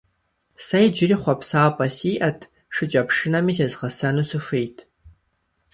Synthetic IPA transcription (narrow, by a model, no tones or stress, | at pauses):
sɐjd͡ʒɪriːχʷɔpsaːpʼɐsiːʔɐtʰ | ʂɨt͡ʃʼɐpʂɨnɐmiːzɐzʁɐsɐnusɨxejtʰ